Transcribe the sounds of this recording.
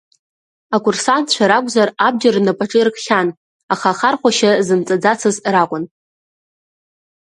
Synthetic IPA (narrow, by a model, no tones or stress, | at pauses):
akʷʼʊrsantʰt͡ɕʷʰaɾakʷʼzarab̚d͡ʒarnapʼaʈ͡ʂʼɨrkʼʰχʲan | aχaχarχʷaʃazɨmt͡sʼad͡zat͡sʰɨzrakʷʼʊn